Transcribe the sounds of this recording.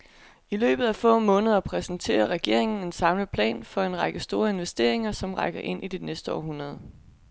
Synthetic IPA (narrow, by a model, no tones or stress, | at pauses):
ilø̰ːb̥ð̞̩ˠæfɔ̰̽ːmɔ̽ːnəð̞ˠɐpʰʁɛsn̩t͡sʰe̝̰ːɐʁɛɡ̥e̝ɐ̰e̝ŋn̩e̝nsɑ̈mləpʰlɛ̰ːnfɒ̽e̝nʁɑ̈ɡ̥əsd̥o̝ːɐe̝nʋesd̥e̝̰ɐe̝ŋɐsɒ̽mʁɑ̈ɪɡ̥ɐʔe̝n̰ʔid̥e̝nesd̥əɒ̰ːɦunʁɐð̞ˠ